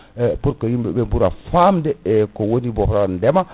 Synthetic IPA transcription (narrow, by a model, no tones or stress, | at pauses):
puɾkojimbɛbebuɾafamdɛkowonibofɾandɛma